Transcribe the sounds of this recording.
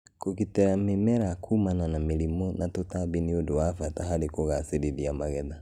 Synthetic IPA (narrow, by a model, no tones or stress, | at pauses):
kokitɛɾamemɛɾakʰumananamelimɔnatotabiniodoafataɦaɾikoɣaseɾiðiamaɣɛða